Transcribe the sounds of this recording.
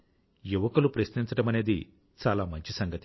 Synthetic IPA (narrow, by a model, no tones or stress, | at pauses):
juʋɐkɐlupɾɐʃniɲt͡ʃɐʈɐmɐne̞ːd̪i | t͡ʃaːlaːmɐɲt͡ʃisɐŋɡɐt̪i